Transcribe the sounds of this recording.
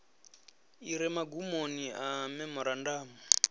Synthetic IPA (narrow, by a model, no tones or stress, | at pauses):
iɾɛmaɡumoniamɛmɔɾandaːma